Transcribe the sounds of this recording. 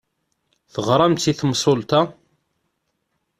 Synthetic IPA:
θəʁɾˤɑmt̪ːiθmsˤolt̪a

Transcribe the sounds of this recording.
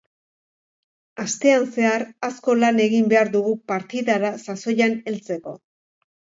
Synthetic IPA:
ast̪e̞anse̞aɾasko̞lane̞ɣimbe̞aɾðuɣupaɾt̪iðaɾasaso̞jane̞lt͡se̞ko̞

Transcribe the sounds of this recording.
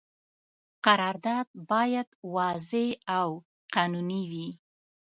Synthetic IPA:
qaɾɑɾd̪ɑd̪̚bɑjad̪wɑzeaw | qɑnuniwi

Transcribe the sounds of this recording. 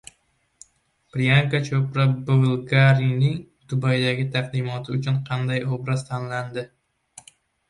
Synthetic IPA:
pɾijaŋkat͡ʃʰɵpɾabovɪlˠɡaɾinɪŋ | d̪̥ʊbajd̪aɡʲɪt̪ʰaq̚d̪ɪmɒt̪ʰɪʊt͡ʃʊnqʰɑnd̪ajobɾazt̪ʰanland̪ɪ

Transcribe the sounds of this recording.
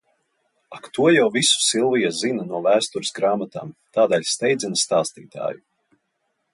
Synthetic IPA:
akt̪uɔjawvisu̥silˠvijazinanuɔvæːst̪uɾɪsɡɾaːmat̪a̰ːmt̪aːd̪ɛlʲst̪ɛjd̪zʲinast̪aːst̪iːt̪a̰ːju

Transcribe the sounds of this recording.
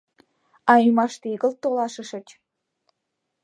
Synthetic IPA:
ɑimɑʃt̪iɣə̆lt̪ːolɑʃə̆ʃə̆t͡ɕ

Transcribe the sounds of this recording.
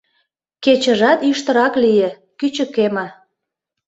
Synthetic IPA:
ket͡ɕə̆ʒɑt̪yʃt̪ə̆ɾɑklije | kyt͡ɕə̆kemɑ

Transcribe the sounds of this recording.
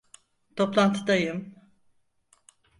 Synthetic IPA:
t̪ʰo̞plˠant̪ʰɯd̪ajɯm

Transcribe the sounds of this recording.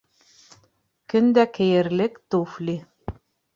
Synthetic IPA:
kɵ̆nd̪ækɘ̆jɘ̆ɾlɘkt̪uflʲi

